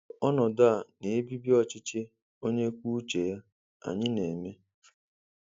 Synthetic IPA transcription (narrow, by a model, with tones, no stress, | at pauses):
ɔ˦nɔ˨da˦˨ne˨e˦bi˦bi˦ɔ˦t͡ʃɪ˦t͡ʃe˦ | o˦ɲe˦kʷu˦t͡ʃe˨ja˦ | a̰˨ɲɪ˦ne˨me˦